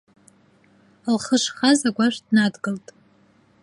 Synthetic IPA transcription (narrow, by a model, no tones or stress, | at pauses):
lχəʂχazaɡʷaʃʷᶣdnadɡɨltʼ